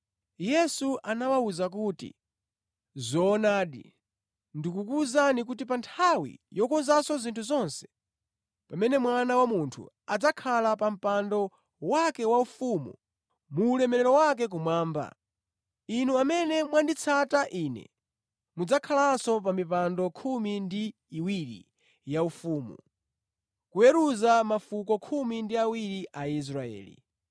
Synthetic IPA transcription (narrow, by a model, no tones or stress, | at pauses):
jɛsuʔanawauzak̬uːtḭ | zɔːnaːɗḭ | ndikukuzanik̬utip̬antʰawḭjɔkɔnzasɔzintʰuzɔnsɛ̥ | pamɛnɛmwanawamuntʰṵ | ad͡zakʰalapam̩pandɔ | wakɛwaufumṵ | muːlɛmɛɾɛɾɔwak̬ɛk̬umwaːmba̰ | inuamɛnɛmwandit͡sʰataʔinɛ̰ | mud͡zakʰalansɔp̬amipandɔkʰumindiː | wiɾḭ | jaufuːmṵ | kujɛɾuzamafukɔkʰumindiawiɾiʔais̬ɾaɛ̰ːlḭ